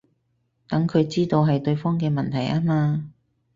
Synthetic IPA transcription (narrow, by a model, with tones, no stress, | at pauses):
t̪ɐ˨˥ŋkʰɵ˨˧ɥt͡siː˥t̪o˧wɦɐ˨jt̪ɵ˧ɥfɔː˥ŋk̬ɛː˧mɐ˨nt̪ʰɐ˨˩jʔaː˥maː˧